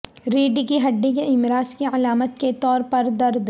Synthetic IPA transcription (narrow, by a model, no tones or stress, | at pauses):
ɾiːɖikiɦɐɖːik̬eɪmɾaːskiɐlaːmət̪ket̪ɔːɾpɐɾd̪ɐɾd̪